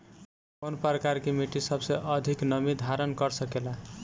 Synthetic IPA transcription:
ponpəɾkaɾkemiʈisʌbseʔʌd̪ʱiknʌmid̪ʱaɾənkʌɾsʌkela

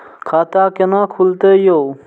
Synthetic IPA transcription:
kʰaːt̪aːkenãːkʰult̪ejo

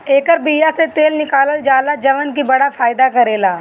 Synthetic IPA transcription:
eːkəɾbijaset̪eːlnɪkaːləld͡ʒaːlad͡ʒɐʋənkibɐɽafaːjd̪akɐɾeːlaː

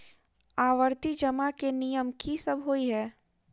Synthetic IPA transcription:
aːʋəɾt̪id͡ʒɐmakenijəmkʰisɐbʱɦoiɦɛː

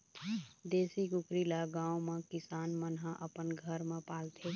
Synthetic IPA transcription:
d̪eːsikʊkɾilaɡãːõmẽkɪsaːnmənɦãʔəpənɡʱəɾmẽpaːlt̪ʰe

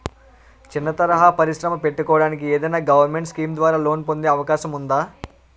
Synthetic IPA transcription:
t͡ʃinːɐt̪ɐɾɐɦaːpɐɾiʃɾɐmɐpe̞ʈːukɔːʋɐɽaːnik̬ieːd̪ɐjnaːɡɐʋɐɾme̞ɳʈskiːmd̪ʋaːɾaːlo̞ːnpo̞nd̪eːɐʋɐkaːʃɐmund̪aː

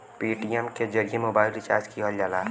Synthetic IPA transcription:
piʈijɛmked͡ʒəɾemobaːɪlt͡ʃa̰ɾt͡ʃkiɦəld͡ʒaːla

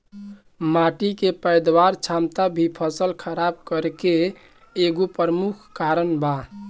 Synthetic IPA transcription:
maʈikepəjd̪waɾt͡ʃʰamt̪abʱipʰəsəlkʰəɾab̚kəɾkeː | ɡopəɾəmukʰkaɾənba

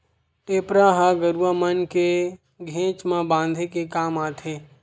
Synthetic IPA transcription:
eːpɾaːɦaɡəɾuamənke | ɡʱẽːt͡ʃmãbãːnd̪ʱekekaːmaːt̪ẽː

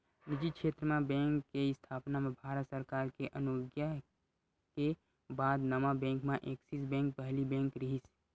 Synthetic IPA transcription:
nid͡ʒikʃʰeːt̪ɾəmẽbɛ̃ːŋkːeɪst̪ʰaːpnamẽbʱaːɾət̪səɾkaːɾkeʔənoɡja | ke | baːd̪nəmabɛ̃ːŋkmẽʔeːksisbɛ̃ːŋk̚pəɦlibɛ̃ːŋkɾɪɦis

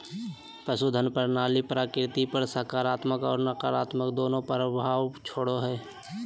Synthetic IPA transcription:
pɾəsud̪ʱənpəɾnaːlipɾaːkɾɪt̪ipəɾsəɦkaːɾaːt̪məkɔːɾnəkaːɾaːt̪məkd̪oːnõpəɾəbʱaːwt͡ʃʰoːɽoɦɛː

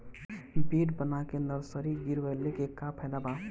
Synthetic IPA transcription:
beɖbənakenəɾsəɾiɡiɾʋəlːekekːapʰɛlaba

